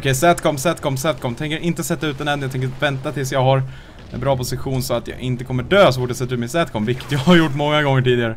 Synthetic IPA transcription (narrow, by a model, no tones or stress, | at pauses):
kʰɛjsæt̪kʰɔmsæːt̪kʰɔmsɛt̪̚kʰɔmt̪ʰɛŋkəɾʔɪnt̪əsɛt̪ːaʉ̟ːt̪ɛnɛmɪjat̪ʰɛŋk̬əvɛnt̪at̪ʰɪlsjɑːɡɦaɾ | ɛ̰nbɾɑːpʰʊsɪɧuːnsɔat̪jɑ̰ːʔɪnt̪əkʰɔmːəɖøːsɔfɔʈːjasɛt̪aʉ̟t̪mɛsæːt̪̚kʰɔmvɪkːə̥t̪jɑaɾjʊʈːmɔŋːaɡɔŋːəʈiːd̪ɪɡaɾə